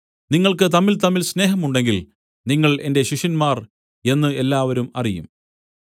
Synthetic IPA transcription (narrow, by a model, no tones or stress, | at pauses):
niŋːɐɭkɨt̪ɐmːilt̪ɐmːilsne̞ːɦɐmuɳɖe̞ŋɡil | niŋːɐɭe̞nde̞ɕiʂɐnmaːr | e̞nːɨe̞lːaːʋɐɾumɐ̰rijṵm